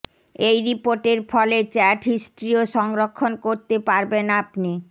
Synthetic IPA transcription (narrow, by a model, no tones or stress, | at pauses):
ejɾipoɾʈeɾfɔlet͡ɕɛʈʰɦisʈɾioʃɔŋɾokʰːonkoɾt̪epaɾbenapni